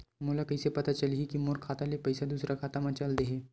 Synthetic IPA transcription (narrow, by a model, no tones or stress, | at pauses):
mulakəjsepɐt̪at͡ʃəlɦikimoɾkʰat̪alepəjsad̪uːsɾʔakʰaːt̪amãt͡ʃald̪eɦe